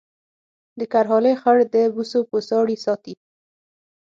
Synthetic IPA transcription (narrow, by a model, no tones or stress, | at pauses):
d̪əkaɾɦɑlexaɽd̪əbusopəsɑɽisɑt̪i